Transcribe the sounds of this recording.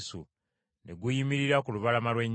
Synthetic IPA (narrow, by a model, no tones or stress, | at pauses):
su | ne̞ɡujimiɾiɾakuluβalamalwe̞ɲː